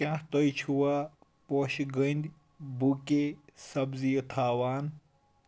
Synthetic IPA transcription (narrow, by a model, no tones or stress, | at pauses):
kʲãːht̪ojt͡ʃʰuwaː | poʃɡənd̪ | bukesɐbzijət̪ʰaːwaːn